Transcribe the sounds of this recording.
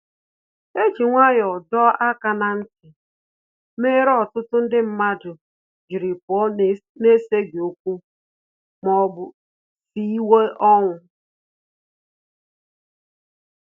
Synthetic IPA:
e˦d͡ʒi˨ŋʷa˦jɔ˨dɔ˦a˦ka˨na˨ŋ̩˦ke˨ | me˦ɾɔ˦tʊ˦tʊ˦n̩˦dɪ˦m̩˦ma˦dʊ˨ | d͡ʒi˨ɾɪ˨pɔ˦ne˦se˦ɡe˨o˦kʷu˦ | mɔ˨bʊ˨ | si˦i˦we˦ʔɔ˦ŋʷʊ˨

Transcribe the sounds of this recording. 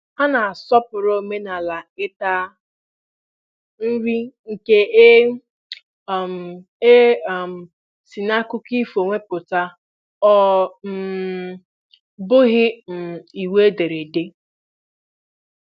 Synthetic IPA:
ha˦na˨a˨sɔ˦pʊ˨ɾo˦˨me˦na˨la˨ɪ˦ta˦ | n̩˦ɾi˦ŋ̩˨ke˦e˦˨ | m˨ | e˦˨ | si˨na˦kʊ˦ki˦fo˨ŋʷe˦pʊ˨ta˦ | ɔ˦m̩˨ | bʊ˦ɦɪ˦m̩˨i˨we˦de˨ɾe˨de˦

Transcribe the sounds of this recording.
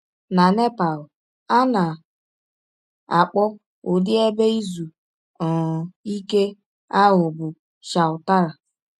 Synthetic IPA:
na˨ne˦pa˨l | a˦na˨ | a˨k͡pɔ˦ | ʊ˨dɪ˦e˦be˦i˦zu˨ | i˦ke˦ | a˦ɦʊ˨bʊ˨ | ʃa˨ʊ˨ta˦ɾa˨

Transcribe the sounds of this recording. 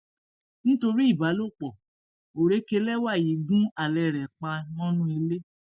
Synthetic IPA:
ñ̩˦to˧ɾi˦i˦˨ba˨˦lo˦˨k͡pɔ˨ | o˨ɾe˨˦ke˧˦lɛ˦wa˦˨ji˨˦ɡũ˦a˦˨lɛ˨ɾɛ˨k͡pa˧nɔ̃˦nũ˦e˧le˦

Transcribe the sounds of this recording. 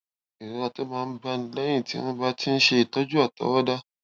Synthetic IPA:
i˨ɾo˨˦a˧to˦mãː˧n̩˦ba˦n̩˦lɛ˦j̃ĩ˦˨tḭ˦ñ̩˦ba˦ti˦n̩˦ʃe˧i˨tɔ˦d͡ʒu˦a˦˨ta̰˨˦wɔ˦da˦

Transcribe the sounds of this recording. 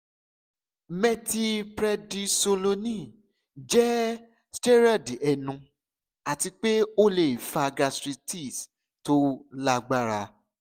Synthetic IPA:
mɛ̃˧ti˧pɾɛ˧di˧so˧lo˧nĩ˦˨ | d͡ʒɛ˦ | stɛ˦ɾa˦˨di˨ɛ˧nũ˧ | a˨ti˧k͡pe˦o˦le˨i˨fa˧ɡa˧sɾi˧ti˦˨s | to˦la˦ɡ͡ba˦ɾa˧

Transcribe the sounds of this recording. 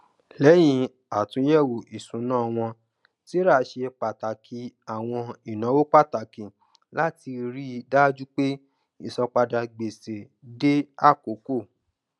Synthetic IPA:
lɛ˨˦j̃ĩ˧˦ | a˨tũ˨˧˦jɛ˦˨wo˨i˨sũ˨˦nãː˦˨w̃ɔ̃˧ | ti˦ɾa˦˨˦ʃe˧k͡pa˨ta˨kʰi˨˦a˨w̃ɔ̃˧i˨nã˨˦wo˦k͡pa˦˨ta˨kĩ˨ | la˦ti˧ɾi˦˧da˦d͡ʒu˦k͡pe˦ | i˦˨sɔ˧k͡pa˧da˧ɡ͡be˨se˨ | de˦a˦˨ko˨˦ko˦˨

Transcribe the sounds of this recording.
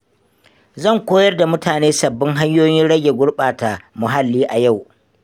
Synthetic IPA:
zɐ˦˨ŋkʷoː˦jɐ˦rda˨mʊ˦taː˨neː˦sɐ˨bːɪ˦ŋɦa˦ɲjoː˦jɪ˦nɽɐ˦ɡʲe˨ɡʷʊ˦ɽɓaː˨ta˨mʊ˨ɦa˦lːiː˦ʔa˨ja˦˨w

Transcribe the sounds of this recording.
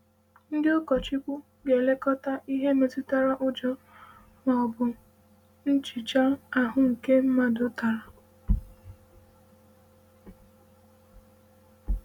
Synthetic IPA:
n̩˦dɪ˦ʊ˦kɔ˨t͡ʃi˦kʷu˦ | ɡe˨le˦kɔ˦ta˦ʔi˦ɦe˦me˨tu˦ta˦ɾa˦ʔʊ˦d͡ʒɔ˦ | mɔ˨ɔ˨bʊ˨ | n̩˦t͡ʃi˨t͡ʃa˦a˨ɦʊ˦ŋ̩˨ke˦m̩˦ma˨dʊ˨ta˨ɾa˨

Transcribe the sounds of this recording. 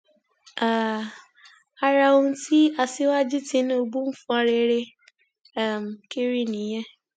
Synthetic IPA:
a˦˨ | a˦ɾa˧o˦ti˦a˨si˦wa˦d͡ʒi˦ti˦ñ˦o˦˨bu˦m̩˦fũ˦a˨ɾe˧˦ɾe˦˨ | m̩˨ki˦ɾi˦˨nĩ˨je˦

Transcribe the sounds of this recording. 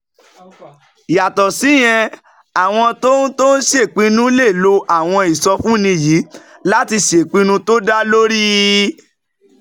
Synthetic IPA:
ja˨tɔ˨si˨˦j̃ɛ̃˧ | a˨w̃ɔ̃˧to˦n̩˦to˦n̩˦ʃe˦˨k͡pĩ˧nũ˦le˦˨lo˧ʔa˦˨w̃ɔ̃˧i˨sɔ˧fũ˦nĩ˧ji˨˦la˦ti˧ʃe˨k͡pĩ˧˦nũ˦to˦da˦lo˦ɾi˦

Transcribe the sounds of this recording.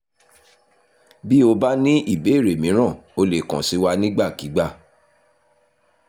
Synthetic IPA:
bi˦o˧ba˦nĩ˦i˦˨be˨˦i˦˨ɾe˨mĩ˨˦ɾ̃ã˦˨o˧le˨kã˨si˨˦wa˦nĩ˦ɡ͡ba˦˨ki˨˦ɡ͡ba˦˨

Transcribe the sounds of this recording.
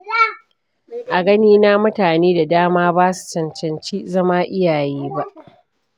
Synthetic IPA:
ʔa˨ɡɐ˦niː˦naː˦mʊ˦taː˨neː˦da˨daː˦maː˦baː˦su̥˨t͡ʃɐ˨nt͡ʃɐ˨nt͡ʃiː˦zɐ˦maː˦ʔɪ˦jaː˨jiː˦ba˦ʔ

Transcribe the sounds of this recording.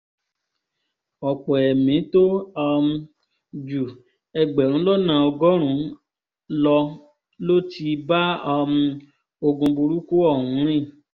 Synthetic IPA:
ɔ˨k͡pɔ˨ɛ˨mĩ˨˦to˦ɔ˧mũ˧ | d͡ʒu˨ | ɛ˧ɡ͡bɛ˨ɾ̃ũ˨˦lɔ˦nã˨ɔ˧ɡɔ˦ɾ̃ũ˨˦ | lɔ˧ | lo˦tʰi˧ba˦ɔ˧mũ˧ | o˧ɡũ˧bu˧ɾu˦kuo˦ɔ˦˨hũ˨˦ɾ̃ĩ˦˨

